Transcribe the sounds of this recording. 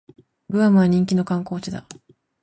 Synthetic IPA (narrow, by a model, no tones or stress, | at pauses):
ɡɯ̟amɯ̟βaɲ̟ĩŋkʲino̞kãŋko̞ːt͡ɕid̪a̰